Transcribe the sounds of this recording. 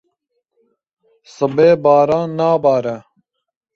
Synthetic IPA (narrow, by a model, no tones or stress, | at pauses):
sɨbeːbaːɾaːnaːbaːɾɐ